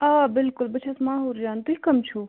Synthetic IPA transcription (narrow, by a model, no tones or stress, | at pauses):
aːbɪlkʊlbɐt͡ʃʰasmãːɦuːɾd͡ʒjaːnt̪uɦikɐmt͡ʃʰu